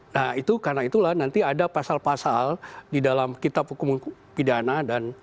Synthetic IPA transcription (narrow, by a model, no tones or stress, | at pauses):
nahit̪ukarnait̪ulahnant̪iadapasalpasaldidalamkit̪ap̚hukumun | pidanadan